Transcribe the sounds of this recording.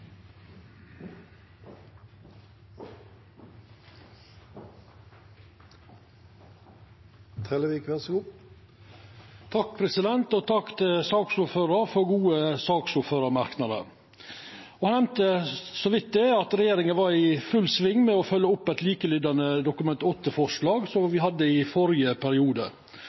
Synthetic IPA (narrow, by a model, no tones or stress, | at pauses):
t̪ʰʁɛləʋiːkʰʋæʁsɡuː | t̪ʰɑkpʰɾɛsɪd̪ɛnt̪ot̪ʰɑkt̪ʰɪsɑːksʊɾføːɾɑɾfɔɾɡuːəsɑːksʊɾføːɾɑɾmɑɾknɑd̪ə̰ɾ | ɔhɑnɛmt̪əsɔʋɪt̪̚d̪ɛɑt̪ɾɛjeːɾɪŋənʋɑɾɪfʉlsʋɪŋːmɛɔfœlːəʊpːɛt̪liːkəlʏd̪ɑnəd̪ʊkʉmɛnt̪ɔt̪ːəfɔʂlɑːɡsɔmʋɪhɑd̪ːəɪfɔɾɪəpʰæɾɪuːd̪ə